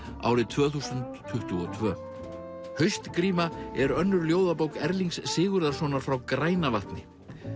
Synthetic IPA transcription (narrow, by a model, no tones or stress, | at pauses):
a̰ːwɾɪt̪ʰv̥œːθusʏnt̪ʰːʏht̪ʏɔt̪ʰvœː | hœɥjst̪kɾiːmaɛɾœnːʏɾljoːwðapowkɛɾliŋksːɪːɣʏɾðaɾ̥sɔːnaɾ̥fɾawkɾaːjnavaht̪nɪ